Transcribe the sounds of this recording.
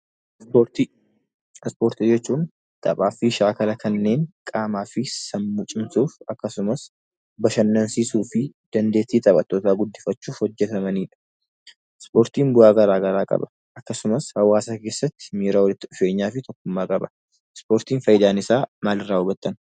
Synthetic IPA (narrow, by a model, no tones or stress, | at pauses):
spoːɾt̪id͡ʒɛt͡ʃːuːn | t̪ʼɐ̰pʼaːfɪʃaːkɐlɐkɐnːe̞ːnkʼaːmaːfɪsɐmːuːt͡ʃʼɪmsuːfɐkːɐsʊmɐs | bɐʃɐnːɐnsiːsuːfɪd̪̥ɐnd̪e̞ːt̪ːiːt̪ʼɐpʼɐt̪ːoːt̪aːɡʊd̪ːɪfːɐt͡ʃːuːfhɔd͡ʒːɛt̪ɐmɐniːᶑɐ̥ | ɪspo̞ːɾt̪iːmbʊaːɡɐɾaːɡɐɾaːkʼɐ̰bɐ̥ | ʔɐkːɐsʊmɐshɐwːaːsɐke̞ːsːɐt̪ːɪ̥miːɾaːwɔlɪt̪ːɪᶑʊfe̞ːɲːaːfɪt̪ɔkːʊmːaːkʼɐbɐ̥ | ɪspo̞ːɾt̪iːnfɐjɪd̪aːnɪsaːmaːlɪrːaːʊbɐt̪ːɐn